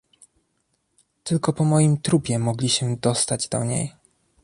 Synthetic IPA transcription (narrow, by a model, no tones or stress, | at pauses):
t̪ɘlkɔpɔmɔjimt̪ɾupʲjɛmɔɡlʲiɕɛd̪ɔst̪ad͡ʑd̪ɔ̰ɲḛj